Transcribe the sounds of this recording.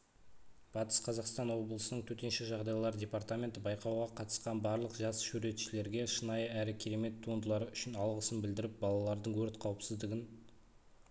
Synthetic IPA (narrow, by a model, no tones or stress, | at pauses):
b̥ɑt̪ə̥sqʰɑzɑqst̪ɑnwo̞blˠəsənəɴt̪ʰɵt̪e̞nʃɪʒɑʁd̪ɑjlˠɑɾdʲe̞pɑɾt̪amʲe̞nt̪əbɑjqɑwʁɑqʰɑt̪əsqɑnbɑɾlˠəqʒɑsʃʉɾe̞t̪ʃɪle̞ɾɡʲe̞ʃənɑjəæɾɪkʲʰeɾe̞me̞t̪ʰːuənd̪əlˠɑɾəʏʃɪnɑlˠʁəsənbɪld̪ɪɾɪp̚bɑlˠɑlˠɑɾd̪əɴwɵɾt̪qʰɑwəpsɪzd̪ɪɡʲɪn